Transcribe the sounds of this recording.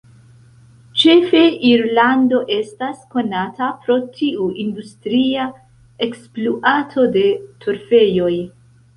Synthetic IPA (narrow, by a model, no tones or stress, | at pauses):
t͡ʃe̞fe̞ʔiɾlando̞ʔe̞stasko̞natʰapɾo̞tʰiuʔindustɾia | e̞kspluʔatʰo̞de̞tʰuɾfe̞jo̞j